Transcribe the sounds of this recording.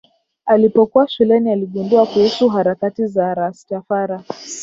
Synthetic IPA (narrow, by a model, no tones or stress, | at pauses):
alipɔkuwaʃulɛnialiɠunduakuhusuɦaɾakatizaɾastafaɾa